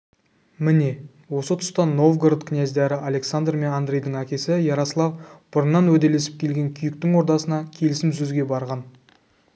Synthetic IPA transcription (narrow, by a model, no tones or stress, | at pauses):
mɪne̞ | wo̞sət̪ʰʊ̥st̪ɑno̞vɡrd̪kʰʲnjæzd̪eɾɪʔale̞ksand̪rme̞nand̪rejd̪əŋækʲe̞sɪjɑɾɑsəlˠɑvb̥ʊɾənːɑnwɵd̪e̞le̞sɪ̥p̚kʲʰe̞lɡʲe̞ŋkʲʰʏjɪk̚t̪ɪŋwo̞ɾd̪ɑsənɑkʲʰe̞lɪsɪmʒɵzɡʲe̞bɑɾʁɑn